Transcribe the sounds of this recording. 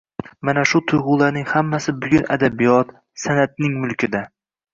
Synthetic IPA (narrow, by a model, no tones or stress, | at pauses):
manaʃʊt̪ʰʊjʁʊlaɾnɪŋhamːasɪbʊɡʲʊnʔa̰d̪abɪjɒt̪ | sanat̪̚nɪŋmʊlˠkʲɪd̪a